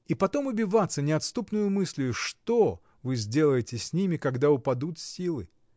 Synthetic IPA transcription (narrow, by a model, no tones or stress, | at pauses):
ipɐt̪o̞mʊbʲɪvat̪sːənʲɪɐt̪st̪upnʊjʊmɨsʲlʲɪjʊʂt̪o | vɨzʲdʲe̞lˠəjɪtʲɪsʲnʲimʲɪkɐɡd̪aʊpɐd̪ut̪sʲilˠɨ